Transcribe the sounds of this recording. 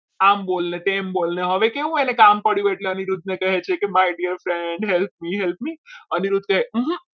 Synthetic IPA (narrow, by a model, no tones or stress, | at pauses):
ambolnet̪embolneɦəʋekeʋũenekampəɽjũeʈleəniɾud̪̚ʱnekəɦet͡ʃʰekemajɖiəɾfɾeɳɖɦɛlp̚miɦɛlp̚miəniɾud̪̚kəɦeɦɦ